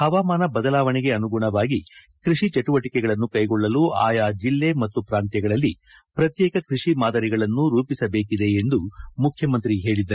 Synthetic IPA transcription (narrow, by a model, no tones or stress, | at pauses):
hɐʋaːmaːnɐbɐd̪ɐlaːʋɐɳɛɡe̞ɐnuɡuɳɐʋaːɡi | kɾiʂit͡ʃɐʈuʋɐʈikɛɡɐɭɐnːukɐjɡɔɭːɐlua̰ːjaːd͡ʒilːe̞mɐt̪ːupɾaːnt̪jɐɡɐɭɐlːi | pɾɐt̪jɛːkɐkɾiʂimaːd̪ɐɾiɡɐɭɐnːuɾuːpisɐbe̞ːkid̪e̞ːnd̪umukʰjɐmɐnt̪ɾiɦeːɭid̪ːɐɾu